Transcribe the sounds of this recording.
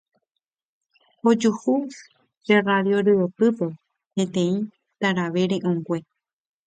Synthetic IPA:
od͡ʒuhus | ɾeraðjoɾɨopɨpe | pẽ̞t̪ẽĩ | t̪aɾaʋeɾẽʔõŋɡʷe̞

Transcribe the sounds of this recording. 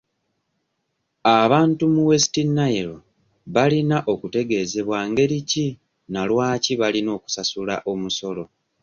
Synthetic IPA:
aβaːntumuwestinːajeɾo | βalinaʔo̞kute̞ɡe̞ːze̞βwaːŋɡe̞ɾici | nalwaːciβalino̞ːku̥sasulaʔo̞muso̞lo̞

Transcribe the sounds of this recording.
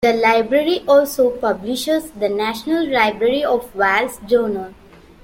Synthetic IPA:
d̪əlaɪbɾeɾiʔɔːlsopʌbliʃəzd̪ənæʃnəlɾaɪbɾeɾiɔfʋalsd͡ʒoːnəl

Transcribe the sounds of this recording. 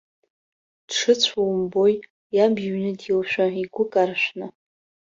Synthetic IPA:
d̥ʂɨt͡sʷʰawmboj | jabɥnɨdilʃᶣaiɡʷʊkʼarʃʷᶣna

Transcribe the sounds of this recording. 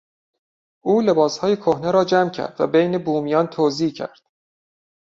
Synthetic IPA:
ʔuːle̞bɒːshɒːjekʰohneɾɒːd͡ʒæmcʰæ̰ɾd̪̥væ̰bejnebuːmijɒːnt̪ʰoːziːcʰæ̰ɾd̪̥

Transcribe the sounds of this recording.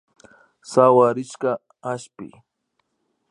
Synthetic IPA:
sawaɾɪʃka | aʃpɪ̰

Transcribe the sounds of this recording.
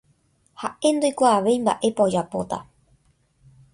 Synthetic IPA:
haʔe̞nd̪ojkʷaːʋe̞jmba̰ʔe̞pod͡ʒapo̞̰t̪a̰

